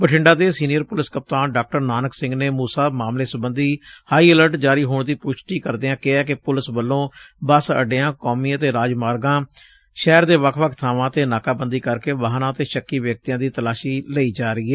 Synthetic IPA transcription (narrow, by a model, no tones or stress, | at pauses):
pəʈʰɪɳɖaːd̪eːsiːnijəɾpʊlɪskəp̚t̪aːnɖaːk̚ʈəɾnaːnəksɪ̃ŋɡneːmuːsaːmaːmleːsʊbənd̪iːhaːiːɛləɾʈd͡ʒaːɾiːɦoːɳd̪iːpʊʃʈiːkəɾd̪eːãːkɪɛːk̬ɪpʊlɪsbəlːõː | bəsə̰ɖeːãːkoːmiːət̪eːɾaːd͡ʒmaːɾɡãː | ʃɛːɾd̪eːʋəkʰʋəkʰt̪ʰaːʋãːət̪eːnaːkaːbənd̪iːkəɾkeːʋəːɦnãːət̪eːʃəkːiːʋjək̚t̪ijãːd̪iːt̪əlaːʃiːləiːd͡ʒaːɾəiːɛː